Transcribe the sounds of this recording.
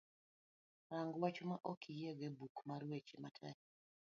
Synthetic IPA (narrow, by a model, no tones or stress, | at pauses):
ɾaŋɡwat͡ʃomaʔokʰijeɡebukmaɾwet͡ʃematʰɛk